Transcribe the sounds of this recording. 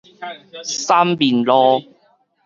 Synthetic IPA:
saː˥mpiː˨˩nlɔː˦˥

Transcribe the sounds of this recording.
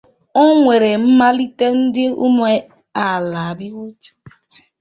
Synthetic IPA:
o˦ŋʷe˨ɾe˨m̩˦ma˦li˦te˦n̩˦dɪ˦ṵ˦m˦e˦ | a˨la˨a˨bɪ˦wu˦te̥˦˨

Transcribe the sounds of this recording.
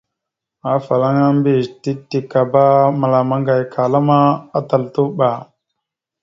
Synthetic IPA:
a˨˦fa˨la˦ŋa˦mbi˦˨ti˦tːi˨ka˨ba˦ma˨la˨ma˦ŋɡa˨jkʰa˨la˦ma˦a˦ta˨ltu˦ɓa˨

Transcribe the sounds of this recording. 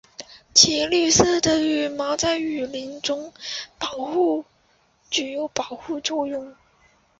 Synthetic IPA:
t͡ɕʰi˧˥ly˥˧sɹ̩˥d̪ə˧y˨˥˩mɑ˧˥t͡sa˥˩ɪy˨˩li˧˥nʈ͡ʂʊ˥ŋpɑ˨˩ʊxu˥˩ | t͡ɕy˨˩jo˧˥ʊpɑ˨˩ʊxu˥˧t͡swɔ˥˧jʊ˥˩ŋ

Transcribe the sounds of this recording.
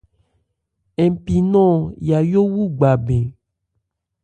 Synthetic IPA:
e˨pi˨nɔ̃˦ja˨jo˦wu˦ɡ͡ba˨be˨

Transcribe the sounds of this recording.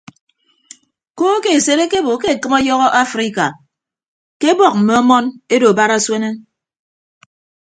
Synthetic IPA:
ko˦ke˨e˨se˦ɾe˦ke˦bo˨˦ke˦e˨kɨ˦mɔ˦jɔ˦ɣɔ˦ʔa˦fɾi˦ka˨ | ke˦bɔ˨k̚m̩˨me˨ɔ˦mɔ˦ne˦do˨ba˦ɾa˦swe˦ne˦

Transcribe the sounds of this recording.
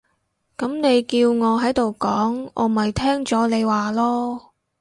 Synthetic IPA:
kɐ˨˥mne˨˧jkiː˧wŋɔː˨˧ɦɐ˨˥jt̪o˨wkɔː˨˥ŋʔɔ̰ː˨˧m̩˨˩hɐ˨jt̪ʰɛː˥ŋt͡sɔː˨˥ne˨˧jwaː˨lɔː˥

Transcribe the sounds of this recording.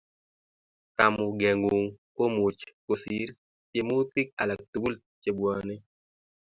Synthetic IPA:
ka˨mʊ˨ɡɛ˨ŋɡu˨ŋko˦mu˨t͡ʃko˨si˦ɾ | pje˨mo˦t̪i˦k̚a̰˨la˨k̚t̪u˨˦u˦l | t͡ʃe˨bwɔ˨nɪ˦

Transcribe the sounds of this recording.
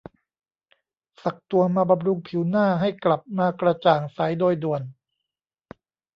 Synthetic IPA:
sa˨˩k̚t̪u˧ɐmaː˧ba˧mɾu˧ŋpʰiː˩˦wnaː˥˩ɦa˥˩jkla˨˩p̚maː˧kɾa˧t͡ɕaː˨˩ŋsa˩˦jdoː˧jdu˨˩ən

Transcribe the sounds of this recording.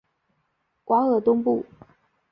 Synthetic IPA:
kwa˧˥˦ŋɤ˧˨˩t̪ʊ˥ŋpu˥˩

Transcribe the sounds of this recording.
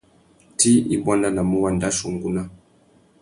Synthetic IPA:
ti˦ḭ˦bwa˦na˦na˨mu˦wa˨nda˦ʃu˨ŋɡu˦na˦

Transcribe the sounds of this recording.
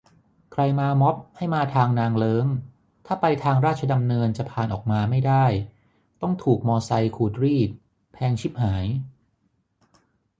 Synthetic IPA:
kʰɾa˧jmaː˧mɔ˦˥p̚ha˥˩jmaː˧t̪ʰaː˧ŋnaː˧ŋlɤː˦˥ŋ | t̪ʰaː˥˩pa˧jt̪ʰaː˧ŋɾaː˥˩t̪̚t͡ɕʰa˧da˧mnɤː˧nt͡ɕa˨˩pʰaː˨˩nʔɔː˨˩k̚maː˧ma˥˩jdaː˥˩j | t̪ɔ˥˩ŋt̪ʰuː˨˩k̚mɔː˧sa˧jkʰuː˧˩t̪̚ɾiː˥˩t̪̚ | pʰɛː˧ŋt͡ɕʰi˦˥˩p̚ɦaː˩˦j

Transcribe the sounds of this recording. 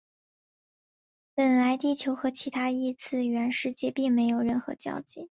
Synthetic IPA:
pə˨˩nla˧˥ɪt̪i˥˩t͡ɕʰjo˧˥ʊxɤ˧˥t͡ɕʰi˧˥t̪ʰa˥i˥˧t͡sʰɹ̩˥˩ɥɛ˧˥nʂɻ̩˥˧t͡ɕjɛ˥˧pi˥˩ŋme˧˥ɪjo˨˩ʊɻə˥˩nxɤ̰˧˥t͡ɕjɑ̰˥˧ʊt͡ɕi˥˩˦

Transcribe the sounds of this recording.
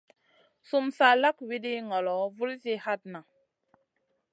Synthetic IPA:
su˦msa˦la˦kwi˦di˦ŋɔ˨lɔ˨˦vu˦lsi˦ha˦t̚na˨

